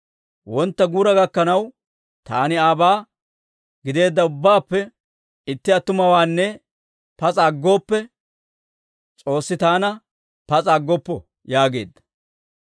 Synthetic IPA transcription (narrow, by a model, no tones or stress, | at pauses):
wɔnt̪ːɐɡuːɾɐɡɐkːɐnɐw | t̪a̰ːnɪaːbaː | ɡɪd̪e̞ːd̪ːɐʊbːaːpːɛ | ɪt̪ːɪɐt̪ːʊmɐwaːnːɛ | pɐt͡sʼaɡːo̞ːpːɛ | t͡sʼo̞ːsːɪt̪aːnɐ | pɐt͡sʼaɡːɔpːɔ | jaːɡe̞̰ːd̪ːɐ̥